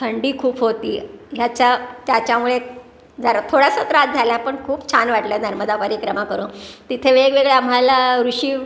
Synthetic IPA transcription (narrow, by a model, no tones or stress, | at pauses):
t̪ʰəɳɖiːkʰuːpɦot̪iːjat͡ɕat̪jat͡ɕjamuɭe | d͡zʱaɾt̪ʰoɽasət̪ɾat̪̚d͡zʱaljapəɳkʰuːpt͡ɕʰanʋaʈljanəɾməd̪apəɾikɾəmakəɾuːnt̪it̪ʰeʋeɡʋeɡɭeamɦalaɾuɕiː